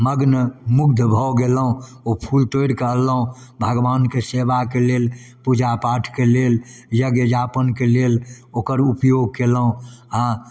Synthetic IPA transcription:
məɡnəmuɡd̪ʱbʱɔɡeləũ | opʰult̪oɽkəɦəlːəɦũ | bʱəɡʋankesebakelel | pud͡ʒapaʈʰkeleljəɡed͡ʒapənkelel | okəɾupjoɡ̚keləɦũa

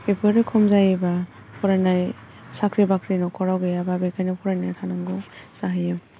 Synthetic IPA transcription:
ebʰɯɾɯkʰɔmzajeba | pʰɔɾajnaj | sakʰɾibakʰɾinɔkʰɔɾawɡejababekʰajnapʰɔɾajnajtʰanaŋɡɔsaɦajam

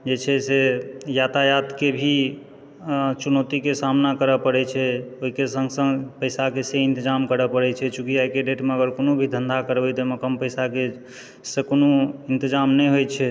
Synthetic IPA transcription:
d͡ʒet͡ʃʰɛsejat̪ajat̪kebʱi | t͡ʃunot̪ikesamnakəɾəpəɽɛt͡ʃʰɛoɦikesə̃ŋɡsə̃ŋɡpəjsakeseint̪id͡ʒamkəɾəpəɽɛt͡ʃʰɛt͡ʃukiaikeɖeʈmeəɡəɾkonobʱid̪ʱənd̪ʱakəɾbɛt̪ɔməkəmpəjsake | sekonoint̪əd͡ʒamnɛjɦojt͡ʃʰɛ

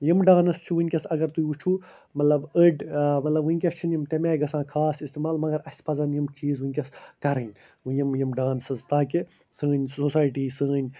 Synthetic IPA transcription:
jimɖaːnɐst͡ʃʰiʋunʲkʲɐsɐɡɐɾt̪ujut͡ʃʰuː | mɐt̪lɐbəɖmɐt̪lɐbunʲkʲɐst͡ʃʰinjimt̪emeːɡɐsãːkʰaːsist̪imaːlmɐɡɐɾɐsʲpɐzɐnjimt͡ʃiːzʋunʲkʲɐskɐɾɐnʲ | ujimjimɖaːnsɐzt̪aːki | səːnʲsosaːjʈiːsə̃ːnʲ

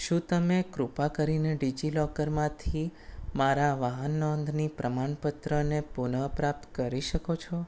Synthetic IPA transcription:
ʃũt̪əmekɾupakəɾineɖid͡ʒilɔkəɾmãt̪ʰimaɾaʋaɦənːɔnd̪ʱnipɾʔəmaɳpət̪ɾənepunəpɾap̚t̪kəɾiʃəkot͡ʃʰɔ

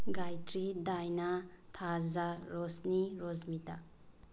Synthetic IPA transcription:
ɡajt̪ɾid̪ajnat̪ʰazaɾosniɾozmit̪a

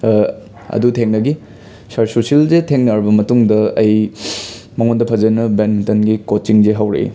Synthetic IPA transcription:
ɐ̰dutʰeŋnɐɡi | sɐɾsusilzetʰeŋnɐɾbɐmɐtuŋdɐɐj | mɐŋondɐpʰɐzɐnɐbenmintɐnɡikot͡ʃiŋzeɦɐwɾḛj̰

